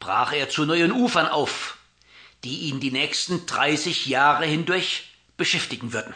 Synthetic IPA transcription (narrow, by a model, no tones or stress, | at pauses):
b̥ʁ̥a̰ːχeːɐt͡sunɔʏənʔuːfɐnʔa̰ʊf | d̥iːʔiːndiːnɛːçstn̩d̥ʁa̰ɪsɪçjaːʁəhɪndʊɐç | b̥əʃɛftɪɡŋ̩vʏɐdn̩